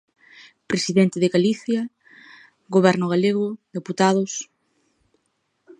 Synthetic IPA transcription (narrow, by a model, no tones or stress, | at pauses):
pɾesiðɛnt̪ɪðeɣaliθjɐ | ɣoβɛɾnʊɣ̞aleɣʊðeput̪aðʊs